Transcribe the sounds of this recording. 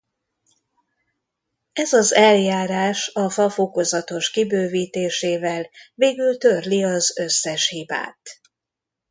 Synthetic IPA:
ɛzɒzɛljaːɾaːʃɒfɒfoko̞zɒt̪o̞ʃkibøːviːt̪eːʃeːvɛlveːɡylt̪ørliɒzø̞sːɛʃhiba̰ːt̪

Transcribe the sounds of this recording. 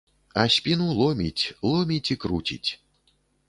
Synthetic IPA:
ɐsʲpʲinulˠɔmʲit͡sʲlˠɔmʲit͡sʲikɾut͡sʲḭt͡sʲ

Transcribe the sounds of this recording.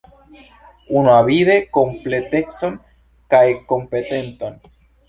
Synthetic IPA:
unaβiðekomplet̪eksoŋ | kaekompet̪ent̪an

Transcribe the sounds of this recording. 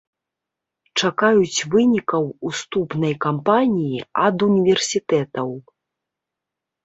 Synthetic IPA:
t͡ʂakajut͡sʲvɨnʲikɐwust̪upnɐjkampanʲijiad̪unʲivʲɛrsʲit̪ɛt̪ɐw

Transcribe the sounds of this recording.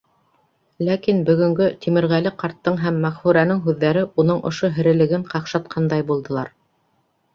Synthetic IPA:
lækinbɵ̆ɡɵ̆ŋɡɵt̪imɘ̆ɾʁælɘqɑɾt̪ːɤɴɦæmːæʁhuɾænɘŋɦʉðːæɾɘʔunɤɴʔŏʃoɦɘ̆ɾɘ̆lɘ̆ɡɘɴqɑqʃɑt̪qʰɑnd̪ɑjbulˠd̪ɤ̆lˠɑɾ

